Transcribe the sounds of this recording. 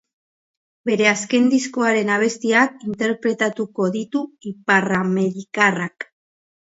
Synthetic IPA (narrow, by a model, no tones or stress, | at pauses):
be̞ɾe̞aske̞nd̪isko̞aɾe̞naβ̞e̞st̪iakint̪e̞ɾpɾe̞t̪at̪uko̞ðit̪uiparame̞ɾikarak